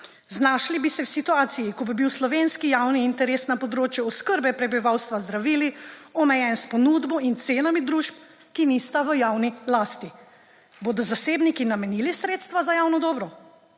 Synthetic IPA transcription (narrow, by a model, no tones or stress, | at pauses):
znaːʃlibisɛwsit̪uaːt̪sijikɔbibiwslɔʋeːnskijawniːnt̪ɛɾeːsnapɔd̪ɾoːt͡ʃjɛɔskəɾbɛpɾɛbiʋawst̪ʋazd̪ɾaʋiːliɔmɛjɛnspɔnuːd̪bɔint̪seːnamid̪ɾuʃp̚ | kinist̪aʋəjaːwnilaːst̪i | boːd̪ɔzaseːbnikinamɛnilisɾeːt̪st̪ʋazajaːwnɔd̪ɔːbɾɔ